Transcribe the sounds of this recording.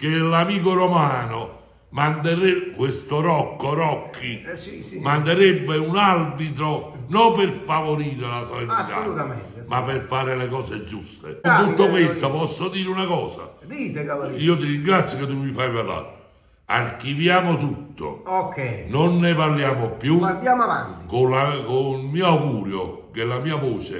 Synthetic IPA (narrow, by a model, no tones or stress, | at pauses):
kelamiːk̬oɾomaːno | mand̪eɾekwest̪oɾɔkːoɾɔkʰːi | mand̪eɾɛbːeunarbit̪ɾonɔmperfavoɾiːɾelasolinit̪a̰ | mapːerfaːɾelekɔːsed͡ʒust̪ḛt̪ut̪ːokwest̪opɔsːod̪iːɾeunakɔːsa̰d̪iteiːot̪̬iɾiŋɡɾat̪sːjoket̪ːumifajparla̰ːɾe | a̰rkivjaːmot̪ut̪ːo̰okɛjnonːeparljaːmopːjuand̪jaːmava̰nt̪ikolakolmiːoaɡuːɾjo̰ | kelamiːavoːt͡ʃḛ